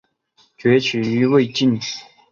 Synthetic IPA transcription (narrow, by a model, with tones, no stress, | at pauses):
t͡ɕɥɛ˧˥t͡ɕʰy˨˩y˧˥we˥˧ɪt͡ɕi˥˨n˨˩